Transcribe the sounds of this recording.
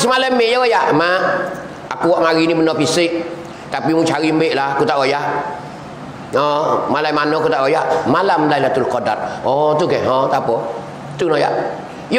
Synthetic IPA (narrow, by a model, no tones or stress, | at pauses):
simalɛmɪʔjɔwajaʔma | akuwɔʔmaɾinimənɔpisɪk̚ | t̪apimut͡ʃaɾimbeʔlahkut̪aʔojaʔ | ɔmalajmanɔkut̪aʔojaʔmalamlailat̪ulkoda̰t̪̚ɔt̪uɡɛɦɔ̃t̪apɔ | t̪unɔja̰ʔ | j